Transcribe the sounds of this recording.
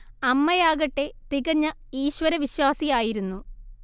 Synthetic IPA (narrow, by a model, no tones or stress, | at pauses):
ɐmːɐjaːɣɐʈːe̞t̪iɣɐɲːɐ | iːɕwɐɾɐʋiɕwaːsijaːjiɾunːu